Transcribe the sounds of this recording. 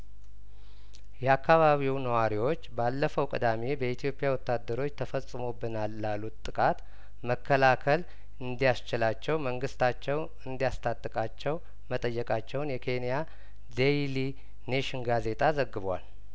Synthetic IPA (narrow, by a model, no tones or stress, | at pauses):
jɛakʰːaβaβiwnəwaɾiwo̞t͡ʃːbalːəfəwkʼɨ̰d̪amebəit̪ʰijo̞pʼjawɔt̪ːad̪ːəɾo̞t͡ʃːt̪ʰəfəsʼɨmo̞bːɨnalːalːut̪t̪ʼːɨkʼat̪ | məkʰːəlakʰəl | ɨnd̪ijast͡ʃɪlat͡ʃːɛwməŋɡɨst̪ʰat͡ʃːɛw | ɨnd̪ijast̪ʰat̪ʼːɨkʼat͡ʃːɛw | mət̪ʼəjːɛkʼat͡ʃːɛwnjɛkʰe̞nija | d̪ejli | neʃɪnɡaze̞t̪ʰʼazəɡːɨβwa̰l